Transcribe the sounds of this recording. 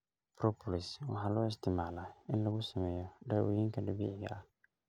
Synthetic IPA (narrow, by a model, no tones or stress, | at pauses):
pɾɔpʰɔlɪswɑ̰ħaːlɔːɪst̪ʰɪmaːlaɪnlɐɣʊsɐmɛːjɔɖawɔ̰jiŋkʰɐdɐbḭːʕɪɡɐ̰a